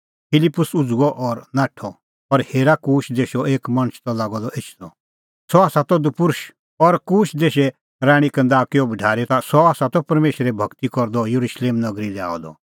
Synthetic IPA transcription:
pʰɪlɪpːʊsʊd͡zuɡɔʔɔɾnaːʈʰɔ | ɔɾheːɾakuːʃd̪eːʃɔʔeːkmɐ̃ɽ̃t͡ʃʰt̪ɔlaːɡɔd̪ɔʔɪt͡ʃʰd̪ɔ | sɔaːsat̪ɔd̪upʊɾʃ | ɔɾkuːʃd̪eːʃɛ | ɾaːɽ̃ikɐ̃nd̪aːkɪjɔbʱɐɖʱaːɾɛt̪asɔaːsat̪ɔpɐɾmeːʃɾɛbʱɐkt̪ikɔɾd̪ɔjɐɾuʃleːmnɐɡɾilɛa̰ːɔd̪ɔ̰

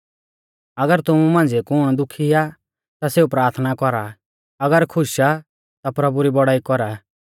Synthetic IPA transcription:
ɐɡəɾt̪ʊmumãːnd͡zekʊɽ̃d̪ʊkʰia | t̪aseːupɾaːɾt̪ʰnakɔɾa | ɐɡəɾkʰʊʃa | t̪apɾɐbuɾibɔɽaːikɔɾa

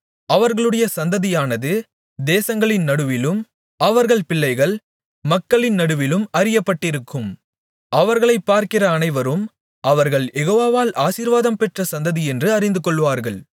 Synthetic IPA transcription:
ɐʋɐɾɣɐɭɯɽɐjɐsɐnd̪ɐðɪjaːnɐðɯ | d̪eːsɐŋɡɐɭɪnnːɐɽɯʋɪlɯm | ɐʋɐɾɣɐɭpɪɭːɐɪɣɐɭ | mɐkːɐɭɪnnɐɽɯʋɪlɯmɐɾɪjɐpːɐʈːɪɾɯkːɯm | ʔɐʋɐɾɣɐɭɐɪpːaːɾkɪrɐːnɐɪʋɐɾɯm | ɐʋɐɾɣɐɭjɛɣoːʋaːʋaːlʔaːsiːɾʋaːðɐmpɛʈrɐsɐnd̪ɐðiɛndrɯɐɾɪnd̪ɯkɔɭːʋaːɾɣɐɭ

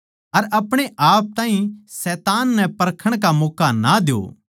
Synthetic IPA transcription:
ɐɾɐpɽ̃eʔaːp̚t̪ãːɦĩsɛːt̪aːnːɛpɐɾkʰəɽ̃kamoːkanad̪ɪo̰ː

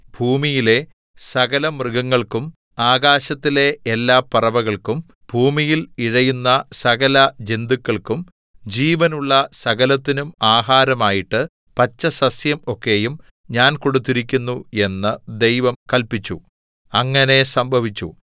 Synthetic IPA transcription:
bʱuːmijile̞ | sɐɣɐlɐmrɨɣɐŋːɐɭkum | aːɡaːɕɐt̪ːile̞elːaːpɐrɐʋɐɣɐɭkum | bʱuːmijiliɻɐjunːɐsɐɣɐlɐd͡ʑend̪ukʲːɐɭkum | d͡ʑiːʋɐnuɭːɐsɐɣɐlɐt̪ːinumaːɦaːɾɐmaːjiʈːɨ | pɐt͡ɕːɐsɐsjɐmo̞kːe̞jum | ɲaːnkoɽut̪̬ːiɾikʲːunːue̞nːɨd̪e̞jʋɐmkɐlpit͡ɕːu | ɐŋːɐne̞sɐmbʱɐʋit͡ɕːu

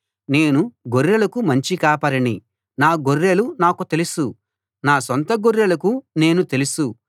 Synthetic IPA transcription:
ne̞ːnuɡoɾːelɐkumɐɲt͡ʃikaːpɐɾɐɳi | naːɡorːelunaːkut̪e̞lusu | naːsɔnt̪ɐɡoɾːelɐkune̞ːnut̪e̞lusu

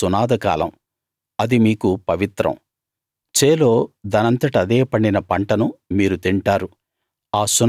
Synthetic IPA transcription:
unaːd̪ɐka̰ːlɐ̰m | ɐd̪imiːkupɐʋit̪ɾɐ̰m | t͡ʃeːlo̞ːd̪ɐnɐnt̪ɐʈɐd̪eːpɐɳɖinɐpɐɳʈɐnumiːɾut̪iɳʈaːɾu | aːsun

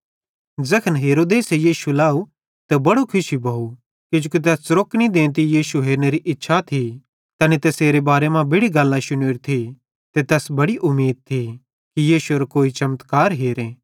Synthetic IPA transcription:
d͡zɐkʰənɦeːɾoːd̪eːsejiːʃulaːu | t̪ɛbɐɽokʰʊʃibʱɐu | kid͡ʒoːkit̪̬ɛːsɾoːknid̪ẽːnt̪ijiːʃuɦeːɾneɾiʔɪtːʃʰat̪ʰi | t̪ɐnet̪ɛseːɾebaːɾemãbɪɽiɡɐlːãʃʊneːɾt̪ʰi | t̪et̪ɛːsbɐɽiʔʊmːiːd̪̚t̪ʰi | kijiːʃuɐɾakoːit͡ʃɐmət̪kaːɾɦeːɾeː

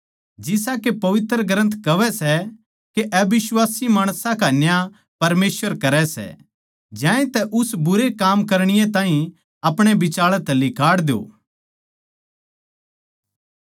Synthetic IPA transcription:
d͡ʒɪsakepɐʋɪt̪ɾəɡɾə̃nt̪kɐʋɛsɛ | keʔɛbɪswaːsimaːɽ̃sãkanja | pɐɾmeːsʋəɾkɐɾɛsɛ̰ | d͡ʒãːẽt̪ɛʔʊsbʊɾekaːmkɐɾɽ̃ɪjẽt̪ãːɦĩ | ɐpɽ̃ebɪt͡ʃaːɭɛt̪ɛlɪkʰaːɽd̪ejo̰ː

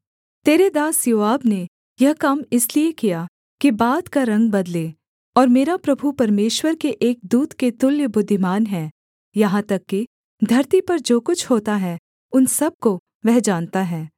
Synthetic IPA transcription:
t̪eːɾed̪aːsjoːaːbne | jɐɦkaːmɪsliekija | kibaːd̪kaɾɐ̃ŋɡ̚bɐd̪le | ɔːɾmeːɾapɾɐbʱupɐɾmeːʃwəɾkeʔeːk̚d̪uːt̪ket̪ʊljəbʊd̪ʱːɪmaːnɦɛː | jɐɦãt̪ɐkːi | d̪ʱɐɾt̪ipɐɾd͡ʒoːkʊt͡ʃʰhoːt̪aɦɛ | ʊnsɐb̚ko | ʋɛɦd͡ʒaːnt̪aɦɛː

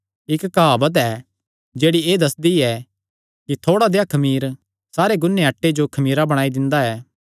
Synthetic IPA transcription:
ɪkːɦaːbɐt̪̬ɛ | d͡ʒeːɽieːd̪ɐsd̪iɛ | kit̪ʰoːɽad̪eakʰɐmiːɾ | saːɾeɡʊnːeɐʈːed͡ʒokʰɐmiːɾabɐɽ̃aːid̪ɪ̃nd̪aɛː

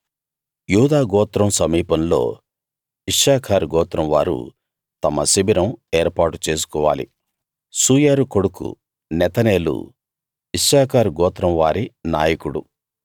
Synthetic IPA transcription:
juːd̪aːɡɔːt̪ɾɐmsɐmiːpɐnlo̞̰ː | iʂːaːkʰaːɾɡɔːt̪ɾɐmʋa̰ːɾṵ | t̪ɐmɐsibiɾɐmeːɾpaːʈut͡ʃeːs̬u̥kɔːʋa̰ːlḭ | suːjaːɾuko̞ɽukṵ | nɛt̪ɐneːlṵ | iʂːaːkʰaːɾɡɔːt̪ɾɐmʋaːɾinaːjɐkuɽṵ

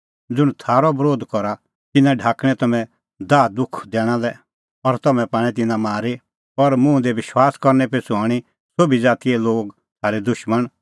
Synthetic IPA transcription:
d͡zʊɽ̃t̪ʰaːɾɔbɾoːd̪kɔɾa | t̪ɪnãɖʱaːkɽ̃ɛ̃t̪ɐmɛ̃ | d̪aːd̪ʊkʰd̪ɛːɽ̃ãlɛ | ɔɾt̪ɐmɛ̃paːɽ̃ɛt̪̬ɪnãmaːɾi | ɔɾmũd̪ɛʋɪʃwaːskɔɾnɛpesuaːɽ̃i | sobid͡zaːt̪iɛloːɡ | t̪ʰaːɾed̪ʊʃməɽ̃

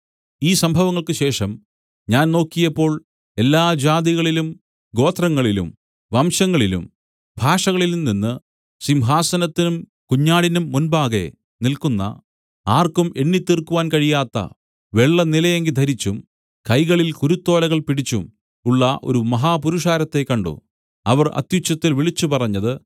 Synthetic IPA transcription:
iːsɐmbʱɐʋɐŋːɐɭkɨɕe̞ːʂɐm | ɲaːnno̞ːkːijɐpːo̞ːɭ | e̞lːaːd͡ʑaːd̪iɣɐɭilum | ɡo̞ːt̪ʰrɐŋːɐɭilṵm | ʋɐmɕɐŋːɐɭilṵm | bʱaːʂɐɣɐɭilumninːɨ | simɦaːsɐnɐt̪ːinum | kuɲːaːɽinumːunbaːɣe̞̰ | nilkunːɐ̰ | aːrkume̞ɳːit̪ːirkuʋaːnkɐɻijaːt̪ːɐ̰ | ʋe̞ɭːɐnilɐjeŋɡid̪ʱɐɾit͡ɕːum | kɐjɣɐɭilkuɾut̪ːo̞ːlɐɣɐɭpiɽit͡ɕːum | uɭːɐʔo̞̰ɾumɐɦaːpuɾuʂaːɾɐt̪ːe̞kːɐɳɖṵ | ɐʋɐrɐ̰t̪jut͡ɕːɐt̪ːilʋiɭit͡ɕːupɐrɐɲːɐðɨ

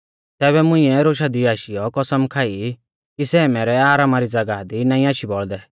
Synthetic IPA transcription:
t̪ɛːβɛmʊ̃ĩɛɾoːʃad̪iaːʃijɔkɔsəmkʰaːi | kisɛːmɛːɾɛaːɾaːmaɾid͡zɐɡad̪inaːĩaːʃibɔɭd̪ɛ

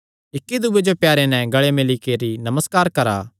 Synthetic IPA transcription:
ɪkːid̪ʊbed͡ʒopjaːɾenɛ̃ɡɐɭemɪlikeɾinɐməskaːɾkɐɾa̰ː

